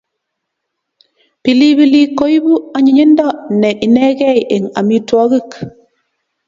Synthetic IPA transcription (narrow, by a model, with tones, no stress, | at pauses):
pi˨li˦bi˨li˦ko˦jbu˦a˨˦ɲi˨ɲe˦ndɔ˦˨nɛ˨ʔi˨nɛ˦kɛ˦i˨ʔe˨ŋa̰˨mi˦tɔ˦ki˦˨k